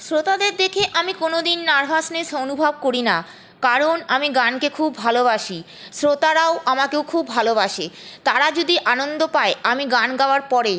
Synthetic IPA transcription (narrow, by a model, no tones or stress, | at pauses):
sɾot̪ad̪eɾd̪ekʰeʔamikonod̪inːaɾbʱasneʃonubʱab̚koɾina | kaɾonamiɡankekʰubːʱaloβaʃi | sɾot̪aɾaoamakewkʰubʱaloβaʃet̪aɾad͡ʑod̪iʔanond̪opaeamiɡanɡaoaɾpɔɾe